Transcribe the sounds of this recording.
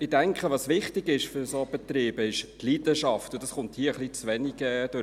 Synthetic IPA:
ɪd̥æŋkχəʋɑsʋɪχtɪɡɪʃfʏɾsob̥ɛt̪ɾiːbəɪʃtliːdəʃɑftʊdɑsχʊnthiəəχlit͡sʋɛniɡɛd̥ø

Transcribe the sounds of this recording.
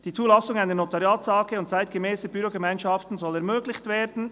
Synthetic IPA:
d̥iːt͡suːlɑsʊŋaɪnənotɑʁjaːtsɑːkəʊnt̚t͡saɪt̚ɡ̥əmɛːsəbyɾoɡemaɪnʃɑftn̩zɔlɛɐmøːɡlɪçtv̥eːdn̩

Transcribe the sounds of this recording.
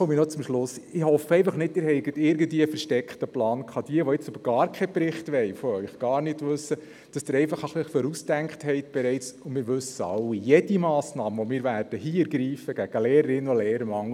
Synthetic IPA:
ɔminɔt͡sʊmʃlʊsɪhɔfəɛɪfɑχnɪt̚dɪːɾhɛɪɡətɪɾɡən̩dʋiːəfɛɾʃtɛkχtəplɑːnkχɑd̥iəʋɔɪt͡søbəɾɡ̥ɑːɾkʰɛpɾɪχtʋɛɪfɔœɪχɡ̥ɑːɾnɪtʋʉsːə | d̥ɑsd̥ɪɾɛɪfɑχəχliχføɾusd̥æŋkχthɛɪtb̥ɛɾɛɪt͡sʊnmɪːɾʋɵsəɑ̰wːijɛd̥imɑːsnɑːməʋɔmɪːɾʋæɾd̥əɦiːɛɾɡɾiːfəɡ̥æɡ̥əleːɾəɾɪnːoleːɾəɾəmɑŋ

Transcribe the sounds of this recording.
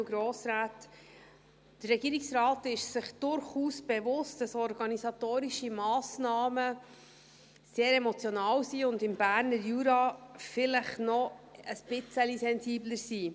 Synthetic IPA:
ɡ̥ɾoːsɾaːt | d̥ərːɛɡiːɾiksɾɑːtɪʃsɪχd̥ʊɾχuːsb̥ɛvʊstd̥ɑsɔɾɡɑnisɑtoːɾiʃimɑːsnɑːmə | seːɾɛmɔt͡sjɔnɑːwsiʊndɪmb̥æːɾnəɾjuɾɑfɪləχnɔəsb̥ɪt͡səlisɛnziːbləɾsiː

